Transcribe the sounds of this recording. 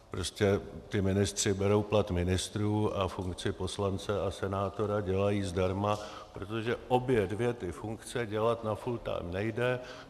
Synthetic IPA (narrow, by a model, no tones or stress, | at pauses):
pɾo̞scʲɛt̪ɪmɪnɪst̪r̝̥ɪbɛɾo̞wplat̪mɪnɪst̪ɾuːʔafuŋkt͡sɪpo̞slant͡sɛasɛnaːt̪o̞ɾaɟɛlajiːzdaɾma | pɾo̞t̪o̞ʒɛʔo̞bjɛdvjɛt̪ɪfuŋkt͡sɛɟɛlat̪nafult̪a̰ːmnɛjdɛ